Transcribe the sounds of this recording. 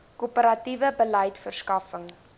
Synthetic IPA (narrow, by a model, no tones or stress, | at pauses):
kupəɾɐtivəbələjtfərskɐfəŋ